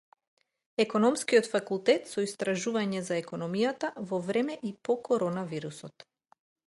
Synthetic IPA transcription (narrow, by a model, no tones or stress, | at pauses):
ɛkɔnɔmskijɔt̪fakulˠt̪ɛt̪sɔist̪ɾaʒuvaɲɛzaɛkɔnɔmijat̪avɔvɾɛmɛʔipɔkɔɾɔnaviɾusɔt̪